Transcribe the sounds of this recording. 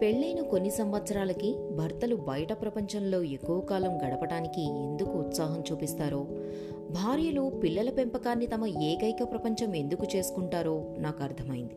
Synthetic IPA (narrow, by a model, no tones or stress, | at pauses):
pe̞ɭːijnuko̞nːisɐmʋɐt̪sɐɾaːlɐki | bʱɐɾt̪ɐlubɐjɐʈɐpɾɐpɐɲt͡ʃɐmlo̞ːe̞kːuʋɐkaːlɐmɡɐɽɐpɐɽaːnikie̞̰nd̪ukuːt̪saːɦɐmt͡ʃuːpist̪aːɾo̞ː | bʱaːɾjɐlupilːɐlɐpe̞mpɐkaːnːit̪ɐmɐeːkɐjkɐpɾɐpɐɲt͡ʃɐme̞nd̪ukut͡ʃe̞ːsu̥kuɳʈaːɾo̞ːnaːkɐɾt̪ʰɐmɐjind̪i